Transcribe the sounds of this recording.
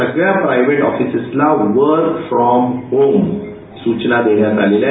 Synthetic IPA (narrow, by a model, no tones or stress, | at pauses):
səɡɭjapɾajʋeʈɔfisəslaʋəɾkfɾɔmhom | suːt͡ʃnad̪enjat̪alelja